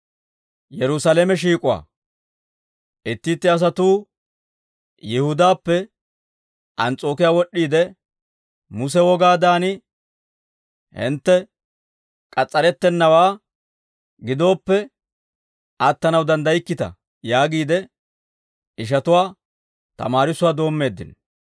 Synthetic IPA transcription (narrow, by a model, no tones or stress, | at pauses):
jɛɾʊsalemɛʃ̬iːkʼʊwa̰ː | ʔɪt̪ːɪt̪ːɪɐs̬ɐt̪uː | jɛhʊd̪aːpːɛ | ʔɐnt͡sʼo̞ːkɪjaːwɔɗːiːd̪ɛ | mʊs̬ɛwɔɡaːd̪aːnɪ | hɪ̰nt̪ːɛ | kʼɐt͡sʼːɐɾɛt̪ːɛnːɐwaː | ɡɪd̪o̞ːpːɛ | ʔɐt̪ːɐnɐwd̪ɐnd̪ɐjɪkːɪt̪ɐ̰ | jaːɡiːd̪ɛ | ʔɪʃ̬ɐt̪ʊwaː | t̪ɐ̰maːɾɪsʊwaːd̪o̞ːmːe̞ːd̪ːɪ̰n